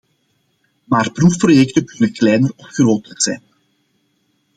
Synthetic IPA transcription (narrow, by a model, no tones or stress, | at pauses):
maːrprufprojɛktəkɵnəklɛjnərɔpxəroːtətsɛ̰jn